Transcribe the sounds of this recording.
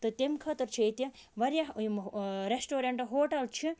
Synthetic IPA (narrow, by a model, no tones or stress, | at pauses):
t̪ɨt̪emkʰɐt̪ɐɾt͡ʃʰijt̪iʋɐɾjamɾesʈoːɾeɳʈɨɦoːʈɐlt͡ʃʰi